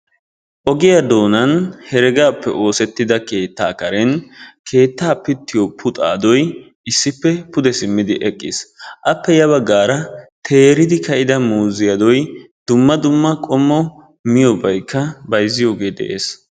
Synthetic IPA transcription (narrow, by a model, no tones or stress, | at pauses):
ʔɔɡɪjɐd̪o̞ːnɐnhɛɾɛɡaːpːɛʔo̞ːsɛt̪ːɪd̪ɐke̞ːt̪ːaːkɐɾɛnkʰe̞ːt̪ːaːpɪt̪ːɪjɔpʰʊt̪ʼa̰ːd̪ɔj | ɪsːɪpːɛpʊd̪ɛsɪmːɪd̪ɪʔɛkʼːɪsʔɐpːɛjɐβɐɡːaːɾɐt̪ʰe̞ːɾɪd̪ɪkɐʔɪd̪ɐmuːzɪjɐd̪ɔj | d̪̥ʊmːɐd̪ʊmːɐkʼɔmːɔ | mɪjɔbɐjkːɐbɐjzːɪjo̞ːɡe̞ːd̪ɛ̰ʔe̞ːs